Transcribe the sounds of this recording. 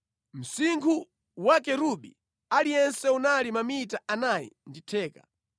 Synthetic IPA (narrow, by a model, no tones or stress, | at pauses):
m̩siŋkʰu | wakɛɾuɓi | alijɛnsɛunalimamitaanajḭnditʰɛːka̰